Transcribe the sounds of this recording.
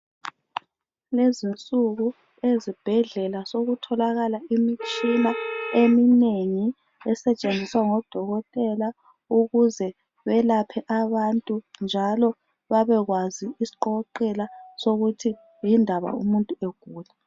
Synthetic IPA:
lezint͡sʼuɣu | ezib̥ʱɛɮɛlasoɣutʰɔlaɣalaimit͡ʃʼinaemineŋi | ɛsɛt͡ʃʼend͡zʱiswaŋɔd̥ʱɔɣɔtʼɛla | uɣuzɛ | βɛlapʰɛʔaβantʼund͡ʒʱalɔ | βaβɛɣwaziːsi̥ǃɔǃɛlasoɣutʰi | jindʱaβa̰ṵmuntʼueɡ̥ʱuːla

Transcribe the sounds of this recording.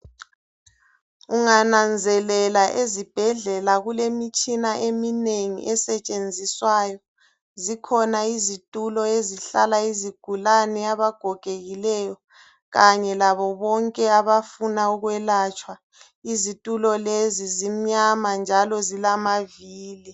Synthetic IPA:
uŋanand͡zʱɛlɛlaʔezib̥ʱɛɮɛlaɣulemit͡ʃʼinaʔemineŋḭʔɛsɛt͡ʃʼend͡zʱiswajɔ | zikʰɔnaizitʼulɔeziɬalaiziɡ̥ʱulanɛaβaɡ̥ʱɔɡ̥ʱeɣilɛjɔ | ɣaɲɛlaβɔβɔŋkʼɛaβafunauɣwɛlat͡ʃʼwa | izitʼulɔlezizim̩ɲamand͡ʒʱalɔzilamaviːli

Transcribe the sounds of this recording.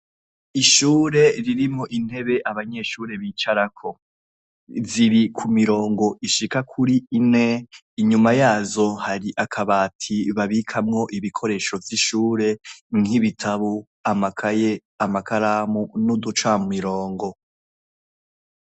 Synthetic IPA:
iʃuːɾe̞ɾiɾimo̞ʔin̥he̞βe̞ʔaβaɲe̞ʃuːɾe̞βit͡ʃaɾakʰo̞ | ziɾikʰumiɾo̞ːŋɡo̞ʔiʃikakʰuɾiːne̞ː | ɲumajaːzo̞haɾiʔakʰaβaːtʰiβaβikʰamŋo̞ʔiβikʰo̞ɾe̞ːʃo̞vjiʃuːɾe̞ŋiβitʰaβu | amakʰaje̞ | amakʰaɾaːmunudut͡ʃwaːmumiɾo̞ːŋɡo̞

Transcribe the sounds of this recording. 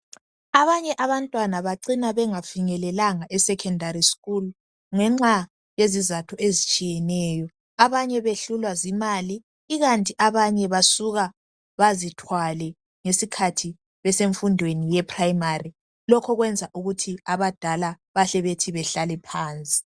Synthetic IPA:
aβaɲɛʔaβantʼwanaβaǀinaβɛŋafiŋɛlɛlaŋaʔɛsɛkʰɛndʱariskʼul | ŋɛŋ͡ǁa | jezizatʰuezit͡ʃʼijɛnɛːjɔ | aβaɲɛβeɬulwazimaliː | ɣantʼiʔaβaɲɛβasuɣa | βazitʰwalɛ | ŋesikʰatʰi | βɛseɱfundʱwenijɛpʰʼrajimari | lɔkʰɔɣwɛnd͡zʱaʔuɣutʰiaβad̥ʱala | βaɬɛβetʰiβɛɬalɛpʰaːnt͡sʼi̥

